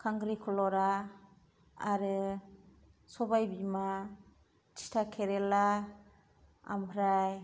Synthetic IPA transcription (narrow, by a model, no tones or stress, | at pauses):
kʰaŋɡɾikʰɔlɔɾa | aɾɯ | sɔbajbima | t͡ʃi̥tʰakʰeɾɛla | a̰mɾaj